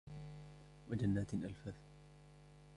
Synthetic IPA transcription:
wad͡ʒanːaːt̪ʔalfaːθ

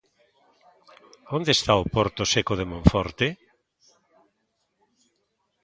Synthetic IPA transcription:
ond̪est̪aopɔɾt̪osekoðemõɱfɔɾt̪e

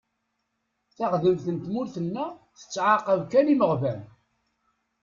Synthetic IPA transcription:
θaqðəmθənt̪mʊɾθənːæθə̥t͡sːʕaqəvkæliməʁvæn

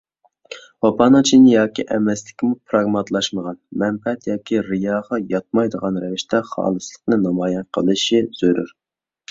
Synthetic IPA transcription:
wɑpɑːnɨt͡ʃʰinɪjɑːkʲiʔɛmɛst̪ɪ̥kʲimupʰɾɑɡmɑt̪lˠɑʃməʁɑnmɛmpɛɛt̪jɑːkʲiɾɨjɑːʁɑjɑt̪̚mɑjd̪əʁɑnɾɛvɪʃt̪ʰɛχɑ̰ːlˠɨslˠə̥qnɨnɑmɑːjɛnqʰəlˠɨʃiz̥øɾṵɾ

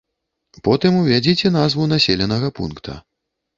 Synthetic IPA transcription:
pɔt̪ɨmuvʲad͡zʲit͡sʲɛnazvunasʲelʲɛnɐɣɐpṵnkt̪ʰɐ̰

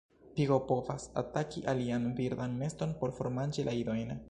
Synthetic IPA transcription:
piɡo̞po̞vasa̰takiʔalianviɾd̪anme̞sto̞npo̞ɾfo̞ɾmand͡ʒelʔaido̞jn

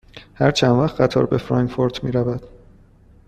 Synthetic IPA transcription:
hæɾt͡ʃʰænd̪væχt̪ɢæt̪ʰɒ̰ɾbefɾɒːŋfoɾt̪ʰmiːɾævæd̪̥

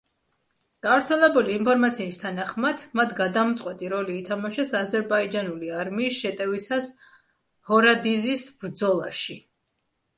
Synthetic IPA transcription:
ɡ̥avɾt̪sʰɛlɛbuliːmpʰɔɾmat̪sʰiːst̪ʰanaχmad̪̥mat̪ʰɡad̪amt̪sʼqʼwɛt̪ʼiɾɔliːt̪ʰamaʃɛsazɛɾbaid͡ʒanuliaɾmiːsʃɛt̪ʼɛvisas | hɔɾad̪izisbɾd̪zɔlˠaʃi

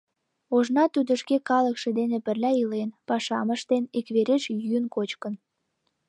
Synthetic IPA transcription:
oʒnɑt̪yd̪ə̆ʃkekɑləkʃĕd̪enepərlʲæilenpɑʃɑməʃt̪enikβeɾeʃjynkot͡ɕkə̆n

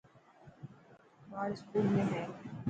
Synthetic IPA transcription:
maːɾskuːlmẽɦɛ̃ː

